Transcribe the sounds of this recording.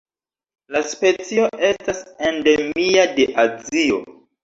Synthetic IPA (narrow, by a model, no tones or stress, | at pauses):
laspe̞t͡sio̞ʔe̞stasende̞miadeʔazio̰